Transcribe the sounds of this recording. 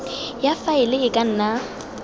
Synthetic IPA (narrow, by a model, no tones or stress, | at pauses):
jafaɪlɪɪkʼan̩ːna